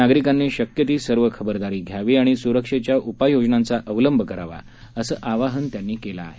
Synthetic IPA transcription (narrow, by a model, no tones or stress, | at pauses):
aɡɾikanːeɕəkjət̪iːsəɾʋəkʰəbəɾd̪aɾiːɡʱjaʋiːaɽ̃isuɾəkʂet͡ɕjaʔupajod͡znant͡saʔəʋləmbʱəkəɾaʋa̰ | əsəːʔaʋaɦənt̪janːiːkelaːɦe